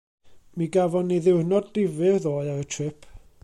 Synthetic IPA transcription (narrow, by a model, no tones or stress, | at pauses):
miɡavɔniðɪwrnɔddɪvɨðoːɨaətʰrɪpʰ